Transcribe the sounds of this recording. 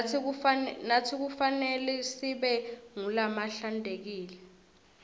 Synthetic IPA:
natʰik̬ufanɛlɛsiɓɛŋulamaɬandʱek̬iːlɛ

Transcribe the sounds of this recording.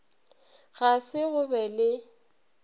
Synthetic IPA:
ɣasɪɣʊbɛlɪ

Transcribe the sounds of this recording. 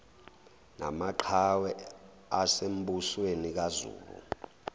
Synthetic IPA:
na̰maǃʰawɛ | asem̩buswenik̬azṵːlṵ

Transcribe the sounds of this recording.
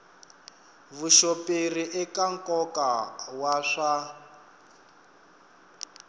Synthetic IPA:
βuʃopʼeriʔɛkaŋ̩kɔkawaʂa

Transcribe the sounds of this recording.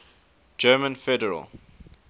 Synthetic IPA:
d͡ʒɜːmə̃nfɛdəɹə̰lˠ

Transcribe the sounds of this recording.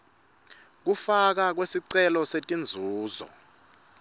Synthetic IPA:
k̬ufak̬ak̬wesiǀɛlɔsetʼind͡zʱuːzɔ̰

